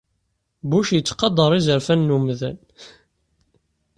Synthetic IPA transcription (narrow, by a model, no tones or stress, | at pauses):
buʃjət͡sːqɑd̪ˤəɾˤizəɾfænːumðæn